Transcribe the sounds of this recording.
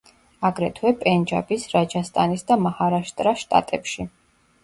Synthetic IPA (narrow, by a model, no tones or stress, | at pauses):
aɡɾɛt̪ʰwɛpʼɛnd͡ʒa̰bisɾad͡ʒast̪ʼanisd̪amahaɾaʃt̪ʼɾaʃt̪ʼa̰t̪ʼɛpʃi